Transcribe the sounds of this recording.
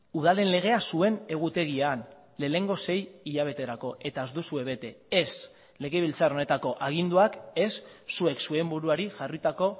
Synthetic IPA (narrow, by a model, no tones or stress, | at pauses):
uð̞ale̞nle̞ɣ̞e̞asue̞ne̞ɣ̞ut̪e̞ɣ̞ian | le̞ːne̞ŋɡo̞se̞jiʎaβ̞e̞t̪e̞ɾako̞ʔe̞t̪aezd̪usue̞βe̞t̪e̞es | le̞ɣe̞β̞ilt͡saɾo̞ne̞t̪ako̞ʔaɣ̞ind̪uake̞sːue̞ksue̞mbuɾuaɾiʝarit̪ako̞